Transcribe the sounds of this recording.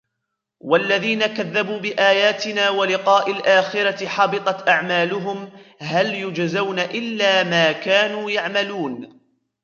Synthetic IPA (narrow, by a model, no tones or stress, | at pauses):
walːaðiːnakaðːabuːbɪʔaːjaːt̪ɪnaːwalɪqɑːʔalʔaːxɪɾaħɑbɨt̪ˤɑt̪ʔaʕmaːlʊɦʊmɦaljʊd͡ʒzawnaʔɪlːaːmaːkaːnuːjaʕmaluːn